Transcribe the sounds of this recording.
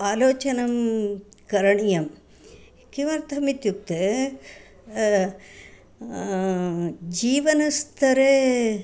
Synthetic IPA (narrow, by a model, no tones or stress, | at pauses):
aːloːt͡ʃɐnɐmkɐɾɐɳijɐm | kiʋɐɾt̪ʰɐmit̪juk̚t̪e | d͡ʒiːʋɐnɐst̪ʰɐɾe